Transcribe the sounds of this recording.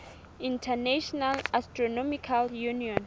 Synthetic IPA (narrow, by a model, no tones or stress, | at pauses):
ĩntʰɛnaʃɔnalastɹɔnɔmikʰaljuniɔ̃n